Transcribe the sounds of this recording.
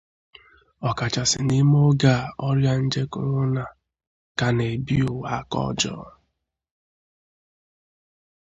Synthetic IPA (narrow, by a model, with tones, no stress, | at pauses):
ɔ˨ka˨t͡ʃa˨sɪ˨ni˦m˦o˦ɡa˦˨ɔ˦ɾja˦n̩˦d͡ʒe˦kʊ˨ɾʊ˦na˨ | ka˨ne˨bi˦u˨wa˦kɔ̰˦d͡ʒɔ̰ː˦